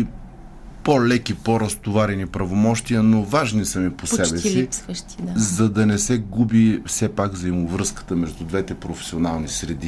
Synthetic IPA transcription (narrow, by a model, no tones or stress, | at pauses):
polɛkipoɾɐst̪ovaɾɛnipɾɐvomɔʃt̪ijənovaʒnisɐmiposɛbɛsiʃt̪zɐd̪ɐnɛsɛɡubifsɛpaɡvzɐimovɾɤskə̥t̪əmɛʒd̪ud̪vɛt̪ɛpɾofɛ̥sionalˠnisɾɛd̪i